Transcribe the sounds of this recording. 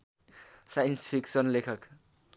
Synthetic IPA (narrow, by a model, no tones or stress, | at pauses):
sajʌnspʰiksʌnlekʰʌk